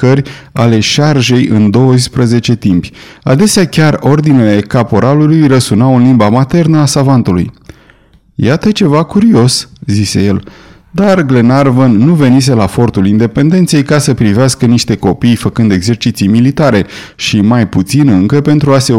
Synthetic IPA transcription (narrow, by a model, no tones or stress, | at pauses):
kərʲale̞ʃarʒe̞jʔɨ̰nd̪o̞wəspɾəze̞t͡ʃe̞t̪impʲad̪e̞seakʲaro̞rd̪inele̞kapo̞ɾalulujrəsunawɨnlimbamat̪e̞rnəasavant̪ulṵj | jat̪ət͡ʃe̞vakuɾio̞szise̞je̞l | d̪arɡle̞narvənːuve̞nis̬e̞lafo̞rt̪ulind̪e̞pe̞nd̪e̞nt̪sejkasəpɾiveaskəniʃt̪e̞ko̞pijfəkɨnd̪e̞ɡze̞rt͡ʃit̪sijmilit̪aɾe̞ | ʃimajput̪sinɨŋkəpe̞nt̪ɾuase̞